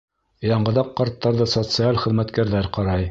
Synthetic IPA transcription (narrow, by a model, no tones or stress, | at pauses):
jɑɴɢɤ̆ðɑqːɑɾt̪ːɑɾðɤsot̪sɨalʲχɘ̆ðmæt̪kæɾðæɾqɑɾɑj